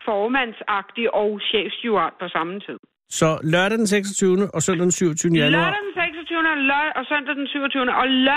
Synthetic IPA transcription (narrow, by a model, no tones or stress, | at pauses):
fɒːmæn̰sɑ̈ɡ̥̚d̥iʔɒʊɕḛːfuɑ̈ːd̥pʰɒ̽sɑ̈mnt͡sʰið̰ˠ | sɒ̽lɶɐɾɐd̥enseɡ̥sɒt͡sʰyːʊnəʔɒ̽søn̰d̥ɐd̥ensyʊ̰ɒt͡sʰyːʊnəjænuɑ̈ɐdd̥enseɡ̥sɒt͡sʰyːʊnəɒlœɒ̽sœn̰d̥ɐd̥ensyʊɒt͡sʰyːʊnəʔɒ̽l